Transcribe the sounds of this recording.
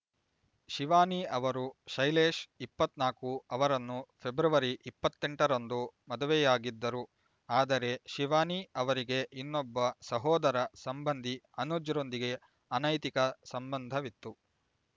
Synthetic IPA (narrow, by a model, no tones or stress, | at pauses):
ʃiʋaːniɐʋɐɾuʃɐjleːʂipːɐt̪naːkuɐʋɐɾɐnːupʰe̞bɾɐʋɐɾiʔipːɐt̪ːe̞ɳʈɐɾond̪umɐd̪uʋɛjaːɡid̪ːɐɾu | aːd̪ɐɾe̞ʃiʋaːniɐʋɐɾiɡe̞ʔinːɔbːɐsɐɦɔːd̪ɐɾɐsɐmbɐnd̪ʱiɐnud͡ʒɐɾo̞nd̪iɡe̞ | ɐnɐjt̪ikɐsɐmbɐnd̪ʱɐʋit̪ːu